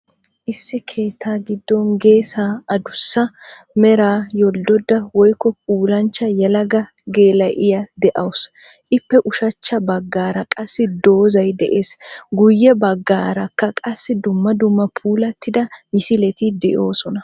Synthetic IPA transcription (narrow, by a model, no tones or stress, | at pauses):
ʔɪsːɪkʰe̞ːt̪ʰːaːɡɪd̪ːɔnɡe̞ːsaːɐd̪ʊsːɐ | mɛɾaːjɔld̪ɔd̪ːɐwɔjkːɔp̚ʰuːlɐnt͡ʃːɐjɛlɐɡɐ | ɡe̞ːlɐʔʔɪjɐd̪ɛʔɐws | ʔɪpːɛʔʊʃɐt͡ʃːɐbɐɡːaːɾɐkʼɐsːɪd̪o̞ːzɐjd̪ɛʔeːsɡʊjːɛbɐɡːaːɾɐkːɐkʼɐsːɪd̪ʊmːɐd̪ʊmːɐpʰuːlɐt̪ʰːɪd̪ɐmɪsɪlɛt̪ɪd̪ɛʔo̞ːsɔnɐ